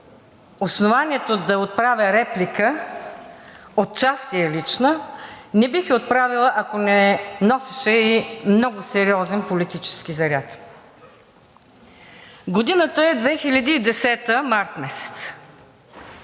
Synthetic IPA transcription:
osnovaniɛt̪od̪ɐot̪̚pɾavʲəɾɛplikə | ot̪̚t͡ʃast̪iɛlit͡ʃnənɛbixɛot̪̚pɾavilˠəʔɐkonɛnɔsɛ̥ʃɛimnɔɡʊsɛɾiɔzɛnpolit̪it͡ʃɛ̥skizɐɾʲat̪ | ɡod̪inət̪əɛd̪vɛxilʲɐd̪iːd̪ɛsɛt̪əmaɾt̪mɛsɛ̥t̪s

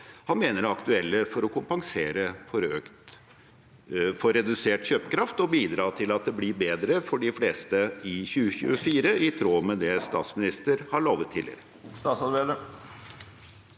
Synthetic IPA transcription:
hɑnmeːnəɾɑkt̪ʉɛlːəfɔɾɔkʰʊmpɑŋseːɾəfɔɾøːkt̪ | fɔɾɛd̪ʉseːʈçøːpəkʰɾɑft̪ɔbiːd̪ɾɑːt̪ʰɪlɑt̪̚d̪ɛblɪbeːd̪ɾəfɔɖɪfleːst̪əɪçʉːəçʉ̰ːəfiːɾəʔɪt̪ʰɾoːmɛd̪ɛst̪ɑ̰ːt̪smɪnɪst̪əɾhɑɭoːʋət̪ʰːɪlːɪ̰ɾə | st̪ɑːt̪sɑd̪ʋelə

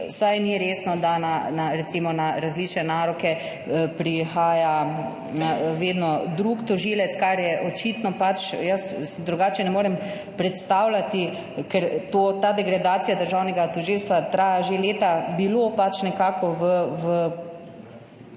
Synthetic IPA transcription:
sajniɾeːsnɔd̪ananaɾɛt̪siːmɔnaɾazliːt͡ʃnɛnaːɾɔkɛ | pɾixaːja | naʋeːd̪nɔd̪ɾukt̪ɔʒiːlɛt̪skaɾjɛʔɔt͡ʃiːt̪nɔpat͡ʃjəssd̪ɾuɡaːt͡ʃɛnɛmoːɾɛm | pɾɛt̪st̪aːwlat̪i | kɛɾt̪ot̪aːd̪ɛɡɾad̪aːt̪sijad̪əɾʒaːwnɛɡat̪ɔʒilst̪ʋat̪ɾaːjaʒeleːt̪abilopat͡ʃnɛkaːkɔʋəʋə

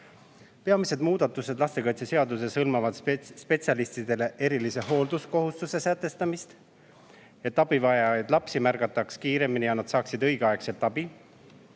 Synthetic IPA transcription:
peɑmise̞d̪̥muːd̪̥ɑt̪ːˑused̪lɑst̪e̞kɑjt̪seseɑd̪use̞sɤlmɑvɑd̪̥spe̞t̪siɑlist̪id̪̥e̞le̞ʔe̞ɾilise̞ɦo̞ːld̪usko̞ɦust̪use̞sæt̪ːˑe̞st̪ɑmist̪ | e̞t̪ːˑɑb̥ivɑjɑjd̪lɑpsimærɡ̥ɑt̪ːˑɑkskiːɾe̞minijɑnɑd̪̥sɑːksid̪ɤjɡ̥eɑe̞kse̞lt̪ːˑɑb̥i

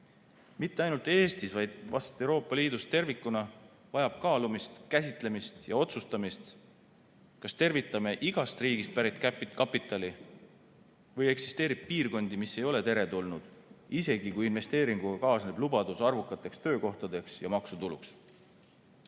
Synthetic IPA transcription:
mit̪ːeɑjnult̪ːˑe̞ːst̪isvɑjd̪̥vɑ̰st̪ɑ̥t̪ːˑe̞wɾo̞ːpːˑɑliːd̪ust̪e̞rvikːˑunɑ | vɑjɑb̥kɑːlumist̪kæsit̪ˑle̞mist̪jɑo̞t̪sust̪ɑmist̪ | kɑst̪e̞rvit̪ːˑɑme̞ʔiɡ̥ɑst̪riːɡ̥ist̪̚pæɾit̪kæpkɑpːˑit̪ˑːɑli | vɤje̞ksist̪e̞ːɾib̥̚piːrɡo̞nd̪imisːe̞jo̞le̞t̪e̞ɾe̞t̪ulnud̪̥ise̞ɡ̥ikujinve̞st̪e̞ːɾiŋɡ̥uɡɑkɑːsne̞blubɑd̪usɑrvukˑːɑt̪ːˑe̞kst̪ø̞ːko̞ht̪ɑd̪e̞ksjɑ̰mɑksut̪ulṵks

